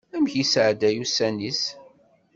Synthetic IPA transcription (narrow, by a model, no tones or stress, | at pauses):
æmçisʕd̪æjusænis